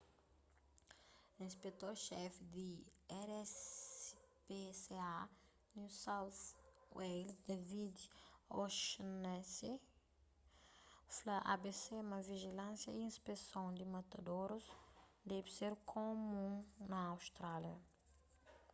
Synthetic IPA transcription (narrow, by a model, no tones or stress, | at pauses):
ĩspet̪oɾʃɛfid̪iɛɾɛ | pesea | nusawθwejlsd̪avid̪oʃnɛse | flaʔabesemɐviʒilɐ̃sjɐiĩspesõw̃d̪imɐt̪ɐd̪oɾusd̪ɛviseɾkʰomũnɐawst̪ɾaljɐ